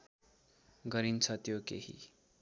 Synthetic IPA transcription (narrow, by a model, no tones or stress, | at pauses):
ɡʌɾint͡sʰʌt̪jokḛhḭ